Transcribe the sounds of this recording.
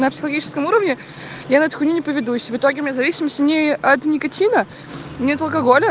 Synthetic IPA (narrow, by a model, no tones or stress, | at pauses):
nəpsʲɪ̥xəlˠɡʲit͡ɕɪ̥skəmuɾəvnʲɪ | janət̪xʊnʲinʲɪpəvʲɪd̪usʲvɨt̪oɡʲɪʊmʲɪnʲazɐvʲisʲɪməsʲtʲʊnʲɪɐt̪nʲɪkɐtʲʰinə | nʲɪɐt̪əlˠkɐɡolʲə